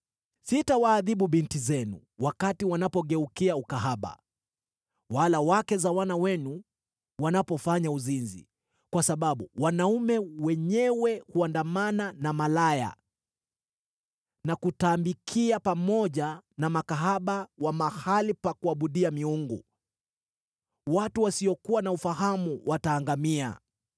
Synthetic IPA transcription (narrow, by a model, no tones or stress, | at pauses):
sitawaːðiɓuɓintizɛnṵ | wakatiwanapɔɠɛukiaukaɦaɓa̰ | walawakɛzawanawɛnu | wanapɔfaɲauzinzḭ | kwasaɓaɓṵwanaumɛwɛɲɛwɛhuandamananamalaja̰ | nakutaːmbikʰiapamɔʄanamakaɦaɓawamahalipakuaɓuɗiamiuŋɡu | watuwasiɔkuwanaufaɦamuwʔataːŋɡamia̰